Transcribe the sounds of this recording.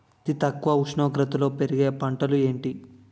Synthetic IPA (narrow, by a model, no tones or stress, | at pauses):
t̪it̪ɐkːuʋɐuʂɳoːɡɾɐt̪ɐlo̞ːpe̞ɾiɡeːpɐɳʈɐlue̞ːɳʈi